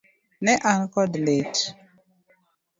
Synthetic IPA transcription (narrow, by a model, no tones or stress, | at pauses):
nɛʔankɔdlet